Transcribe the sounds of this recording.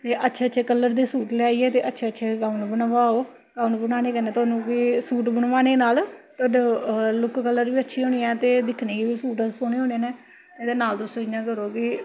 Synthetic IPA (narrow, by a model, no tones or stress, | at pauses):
t̪eːʔətːʃʰeːətːt͡ʃʰeːkəlːəɾd̪eːsuːʈlɪaːiːɛːt̪eːʔətːʃʰeːətːʃʰeːɡaːʊnːbənʋaːoː | ɡaːñːbənaːneːkəɾnẽːt̪oːnũːʋiːsuːʈbənʋaːneːnaːlt̪oːɖlʊkkəlːəɾʋiːətːʃʰiːɦoːniːɛ̃ːt̪eːd̪ɪkʰneːkeːʋiːsuːʈːsoːñeːɦoːneːnɛ̃ː | ed̪eːnaːlt̪ʊsõjãːkəɾoːki